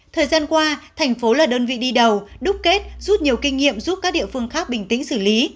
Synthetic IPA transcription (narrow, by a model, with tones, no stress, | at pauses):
t̪ʰəː˨˩jzaː˧nkwaː˧t̪ʰɛ˨˩jŋ̟fo˨˦laː˨˩ɗəː˧nvḭ˧˨ɗi˧ɗə˨˩wɗʊ˦˥k͡p̚ke˦˥t̚zu˦˥p̚ɲi˨˩əwki˧ŋ̟ŋḭ˧˨əmzu˦˥p̚kaː˦˥k̚ɗḭ˧˨əfɨ˧əŋxaː˦˥k̚ɓï˨˩ŋ̟t̪ḭ̈˧˥ŋ̟sɨ˧˩li˨˦